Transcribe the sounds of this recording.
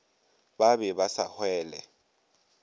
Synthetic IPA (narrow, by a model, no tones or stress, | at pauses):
babɛbasahwɛːlɛ̰